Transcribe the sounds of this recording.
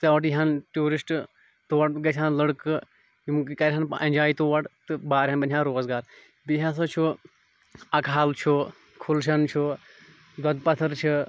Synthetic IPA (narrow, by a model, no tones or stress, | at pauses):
t̪ɨʋɐʈiɦɐnʈuːɾisʈ | t̪oːɐʈɡɐt͡ʃʰanlɐɽkɨ | jumkkɐɾɦɐnɐnd͡ʒaːit̪oːʋɐʈt̪ɨbaːɾɦɐnbɐnʰʲjaːɾoːzɡaːɾ | biɦas̬ɐt͡ʃʰu | ɐkʰaːlt͡ʃʰo | kʰulʃ̬ɐnt͡ʃʰo | d̪wɐd̪pɐt̪ʰɐɾt͡ʃʰi